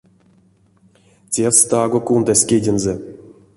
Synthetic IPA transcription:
tʲest̪ɑɡokund̪asʲkʲedʲenze

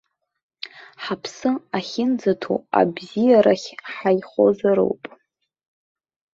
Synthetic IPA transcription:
ħapʰsɨaχʲɪnd͡zatʰṵa̰bzijaɾaχʲħajχo̞̰zaɾo̰wpʼ

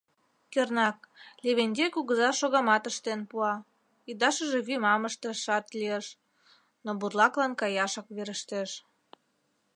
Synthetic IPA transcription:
kørnɑklʲeβenʲd̪ʲekuɣəzɑʃoɣɑmɑt̪əʃt̪enpuɑ | id̪ɑʃəʒeβymɑməʃt̪əʃɑt̪lieʃ | noburlˠɑklɑnkɑjɑʃɑkβeɾəʃt̪eʃ

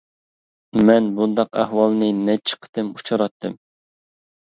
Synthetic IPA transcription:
mɛnbund̪ɑqæ̰hwɑlˠnɨnɛt͡ʃʰə̥qʰə̥t̪ɨmut͡ʃʰɑɾɑt̪ʰːɨm

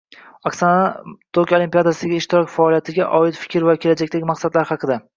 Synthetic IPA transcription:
aksanat̪ʰokʲolimpijad̪asɪɡʲaɪʃt̪ɪɾɒkʲfaːlijat̪ʰɪɡʲaʔɒɪt̪fɪ̥kʲɾvakʲʰe̞lad͡ʒakʲt̪ʰekʲmɑqsad̪laɾhɑqʰɨd̪a

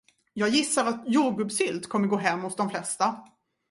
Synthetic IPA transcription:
jɑːɡjɪsːaɾat̪juːɡɵbsʏlt̪kʰɔmːəɾɡoːɦɛmːhʊsd̪ɔmflɛst̪a

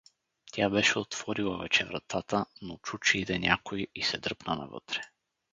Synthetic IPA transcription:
t̪ʲʰabɛʃɛot̪v̥ɔɾilˠəvɛt͡ʃɛvɾɐ̰t̪at̪ənot͡ʃut͡ʃɛid̪ɛnʲa̰koiisɛd̪ɤpnənɐ̰vɤ̰t̪ɾɛ̥

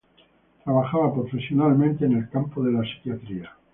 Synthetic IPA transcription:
t̪ɾaβaxaβapɾofesjonalmẽnt̪eːnelkampoðe̞lasi̥kjat̪ɾia

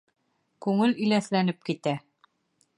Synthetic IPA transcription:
kʉŋɘlĭlæθlænɘp̚kit̪æ

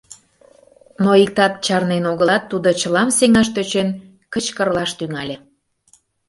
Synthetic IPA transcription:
noik̚t̪ɑt̪̚t͡ɕɑrnenoɣəlɑt̪ːud̪ot͡ɕəlɑmseŋɑʃt̪øt͡ɕen | kət͡ɕkərlɑʃt̪yŋɑlʲe

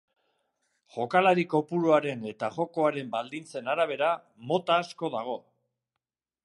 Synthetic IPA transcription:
ʝo̞kalaɾiko̞puɾoaɾe̞ne̞t̪aʝo̞ko̞aɾe̞mbald̪int͡se̞naɾaβ̞e̞ɾa | mo̞t̪aːsko̞ðaɣ̞o̞

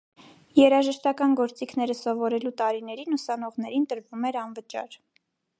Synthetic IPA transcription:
jɛɾɑʒəʃt̪ɑkɑnɡɔɾt͡sikʰnɛɾəsɔvɔɾɛlut̪ɑɾinɛɾinusɑn̪ɔʁn̪ɛɾint̪əɾvumɛɾɑnvət͡ʃɑ̰ɾ

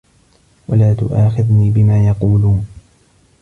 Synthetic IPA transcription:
wa̰laːt̪ʊ̰ʔaːxɪðniːbɪmaːjɑquːluːn

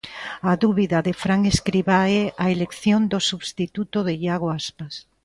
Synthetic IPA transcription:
aðuβiðɐðefɾaŋeskɾiβaɛaelekθjond̪osuβst̪it̪ut̪oðeʎaɣ̞oaspas

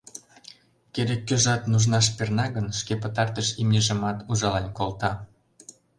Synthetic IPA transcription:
keɾekːøʒɑt̪nuʒnɑʃ̬pernɑɣənʃkepət̪ɑrt̪əʃimʲeʒə̆mɑt̪uʒɑlɑnʲkolt̪ɑ

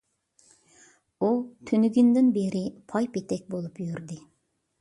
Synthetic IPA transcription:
ut̪ʰynyɡʲynd̪ɪnbeɾɪpʰɑjpet̪ɛk̚ʲbolˠupjyɾd̪ɪ

